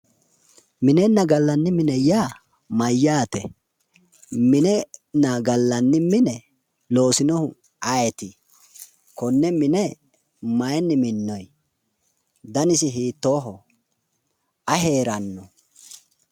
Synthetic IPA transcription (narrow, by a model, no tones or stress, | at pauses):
mɪnɛnːɐɡɐlːɐnːɪmɪnɛjaː | mɐjːaːt̪ɛ̰ | mɪnɛnɐɡɐlːɐnːɪmɪnɛ | lo̞ːsɪnɔhʊ | ʔɐjɛt̪ɪ | kɔnːɛmɪnɛ | mɐjɛnːɪmɪnːɔj | d̪ɐnɪsɪɦiːt̪ːoːɦɔ | ʔɐɦe̞ːɾɐnːɔ